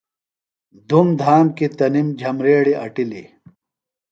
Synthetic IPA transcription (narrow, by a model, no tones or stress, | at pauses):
d̪umd̪ʱaːmkit̪ɐnimd͡ʑʱɐmɾeːɽiʔɐ̰ʈilḭ